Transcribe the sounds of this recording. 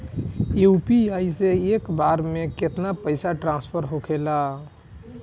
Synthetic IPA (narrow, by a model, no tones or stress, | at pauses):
uupiaiseekbaɾmeket̪napəɪsaʈɾãnspʰəɾɦokʰela